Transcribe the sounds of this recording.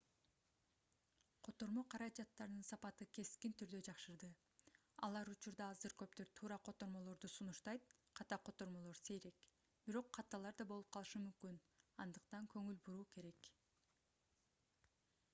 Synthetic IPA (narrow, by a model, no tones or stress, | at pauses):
qʰo̞t̪o̞ɾmo̞qʰɑɾɑd͡ʒɑt̪ːɑɾɯnɯnsɑpɑt̪ɯke̞skint̪ʰyɾd̪ø̞d͡ʒɑqʃɯɾd̪ɯ | ɑ̰lˠɑɾut͡ʃuɾd̪ɑɑzɯɾkø̞p̚t̪øɾt̪ʰuːɾɑqʰo̞t̪o̞ɾmo̞lˠo̞ɾd̪usunuʃt̪ɑjt̪̚qʰɑt̪ɑqʰo̞t̪o̞ɾmo̞lˠo̞ɾse̞jɾe̞k | b̥iɾo̞qʰːɑt̪ːɑlˠɑɾd̪ɑbo̞lˠup̚qʰɑlˠɯʃɯmymkyn | ɑnd̪ɯqt̪ɑŋkʰø̞ŋylbuɾuːke̞ɾe̞k